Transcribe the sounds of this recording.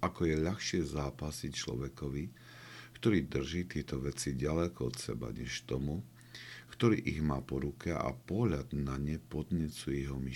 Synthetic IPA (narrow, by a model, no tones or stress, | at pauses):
akɔjɛʎaxʃɪɛzaːpasict͡ʃlɔ̰ʋɛkɔʋi | kt̪ɔɾiːd̪r̩ʒiːt̪ɪɛt̪ɔʋɛt͡siɟalɛkɔɔ̰t̪sɛ̰ba̰ɲɛʃt̪ɔmu | kt̪ɔɾḭːʔiɣmaːpɔɾukʰɛa̰pɔɦʎad̪naɲɛpɔd̪ɲɛt͡suɛɛɦɔmi